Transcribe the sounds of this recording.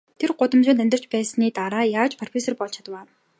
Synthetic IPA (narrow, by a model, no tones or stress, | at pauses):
t̪ʰerɢʊt̪ə̆mt͡ɕʊːnt̪æmʲt̪ə̆r̥t͡ɕpæːsniːt̪aɾaːjaːt͡ɕpʰɔr̥pʰesɔrpɔɮt͡ɕʰḁt̪əwaː